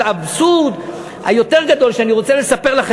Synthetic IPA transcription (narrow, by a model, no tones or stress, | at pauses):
absud̪ | ha̰jo̞t̪eʁɡad̪o̞lʃeaniʁo̞t͡sele̞sapeʁlaχe